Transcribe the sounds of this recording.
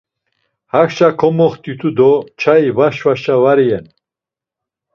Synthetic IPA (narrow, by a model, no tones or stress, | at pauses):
haxʃakʰɔmɔχt̪ʰʼyt̪ʰud̪ɔt͡ʃʰaivaʃvaʃavaɾiɛn